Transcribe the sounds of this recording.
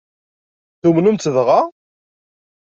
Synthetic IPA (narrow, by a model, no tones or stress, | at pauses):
θumnumt͡sːəvʁa